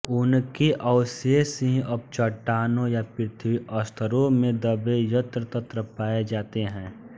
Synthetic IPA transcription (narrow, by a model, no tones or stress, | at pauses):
ʊnkeʔəʊsesẽɦɐb̚t͡ʃəʈːaːnõjapɪɾɪt̪ʰiʔɔst̪ʰəɾõmẽd̪əbejət̪ɾət̪ət̪ɾəpaːed͡ʒaːt̪eɦɛ̃ː